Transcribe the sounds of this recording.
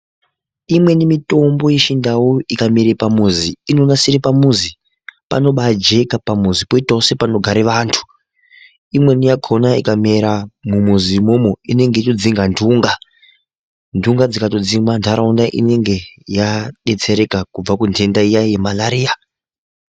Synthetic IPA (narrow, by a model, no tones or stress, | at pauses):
imwe̞nimito̞mbo̞jeʃindawoikamiɾepamuziːno̞nasiɾipamuzi | pa̰no̞ɓad͡ʒe̞kapamuzipoitaose̞pano̞ɡʱaɾiʋaːntʰu̥ | imwe̞nijakʰo̞naikame̞ɾamumuzimomoine̞ŋɡeit͡ʃod͡ziŋɡandʱuŋɡa | ndʱuŋɡad͡zikatod͡ziŋwandʱaɾaundaʔḭne̞ŋɡe̞jaɗe̞t͡se̞ɾe̞kakub͡vakuntʰe̞ndaijaijemalaɾiːa